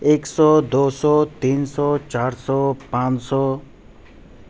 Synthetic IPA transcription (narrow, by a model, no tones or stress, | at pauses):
eksɔd̪osɔːt̪insɔːt͡ʃaɾsɔːpãt͡ʃsɔː